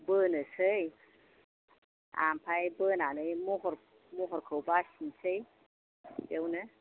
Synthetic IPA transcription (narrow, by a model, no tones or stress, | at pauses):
bənɯsəj | a̰mpʰajbənanɯjmuɦɔɾ | muɦɔɾkʰəwbasinsʰəj | dewnɯ